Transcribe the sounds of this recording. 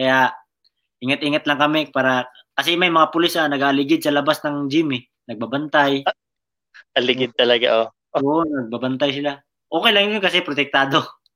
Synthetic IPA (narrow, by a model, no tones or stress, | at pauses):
kɐjaʔ | ʔiŋɐt̪̚ʔiːŋɐt̪̚lɐŋkɐmɛpaːɾɐ | kɐsɛmɐjmɐŋapʊlɪsɐnɐɡalɪɡɪd̪̚sɐlɐbasnɐŋd͡ʒɪmɪ | nɐɡ̚babɐnt̪aj | ɐlɪɡɪd̪̚t̪ɐlɐɡa̰ʔo | oʔonɐɡ̚babɐnt̪ajsɪla | ʔo̞ːkɛjlɐŋjonkɐsɛpɾot̪ɛk̚t̪aːd̪o̞